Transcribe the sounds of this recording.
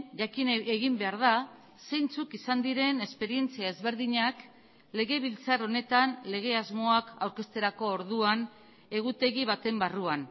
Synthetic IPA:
akieɣimbe̞aɾð̞a | se̞jnt͡sukisand̪iɾe̞ne̞spe̞ɾie̞nt͡siaezβe̞ɾðiɲak | le̞ɣe̞β̞ilt͡saro̞ne̞t̪anle̞ɣ̞e̞azmo̞akawɾke̞st̪e̞ɾako̞ːɾðuan | e̞ɣut̪e̞ɣiβ̞at̪e̞mbaruan

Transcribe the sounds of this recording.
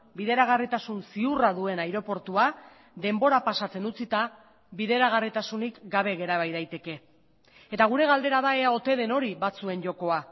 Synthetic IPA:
biðe̞ɾaɣ̞arit̪asunsiuraðue̞najɾo̞po̞ɾt̪ua | ðe̞mbo̞ɾapasat͡se̞nut͡sit̪a | βiðe̞ɾaɣ̞arit̪asunikɡaβe̞ɣe̞ɾaβ̞ajðajt̪e̞ke̞ | et̪aɣ̞uɾe̞ɣald̪e̞ɾaðae̞ao̞t̪e̞ðe̞no̞ɾiβat͡sue̞nʝo̞ko̞a

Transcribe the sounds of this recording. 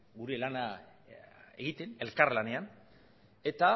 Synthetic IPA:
ɡuɾe̞lana | ḛɣit̪e̞ne̞lkarlane̞an | e̞t̪a

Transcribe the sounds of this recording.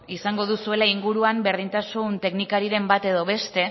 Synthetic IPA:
isaŋɡo̞ð̞usue̞laiŋɡuɾuambe̞ɾð̞int̪asunt̪e̞knikaɾiɾe̞mbat̪e̞ðo̞βe̞st̪e̞

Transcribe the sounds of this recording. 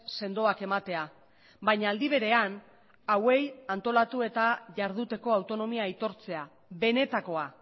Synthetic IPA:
se̞nd̪o̞ake̞mat̪e̞a | bajɲaːld̪iβ̞e̞ɾe̞an | awe̞jant̪o̞lat̪ue̞t̪aʝaɾðut̪e̞ko̞awt̪o̞no̞miajt̪o̞ɾt͡se̞a | βe̞ne̞t̪ako̞a

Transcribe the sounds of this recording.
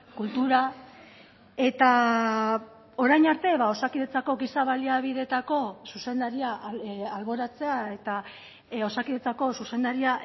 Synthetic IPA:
kult̪uɾa | e̞t̪a | o̞ɾajɲaɾt̪e̞βao̞sakiðet͡sako̞ɡisaβaliaβ̞iðe̞t̪ako̞suse̞nd̪aɾiaalβo̞ɾat͡se̞ae̞t̪a | o̞sakiðet͡sako̞suse̞nd̪aɾia

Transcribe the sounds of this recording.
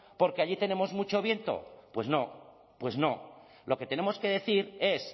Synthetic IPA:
po̞ɾkeaʎit̪e̞nẽ̞mo̞zmut͡ʃo̞βje̞nt̪o̞̰pwe̞zno̞ | pwe̞zno̞ | lʔo̞ke̞t̪enẽ̞mo̞ske̞ðe̞θiɾe̞s

